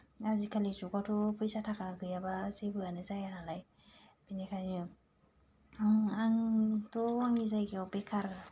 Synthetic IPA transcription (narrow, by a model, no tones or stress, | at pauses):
azikʰalizɔɡɔtɔpjsatʰakaɡɯjabasebɯanɛzajanalaj | b̥inɛkʰaninɔ | aŋtɔaŋizajɡiɔwbɛkʰaɾ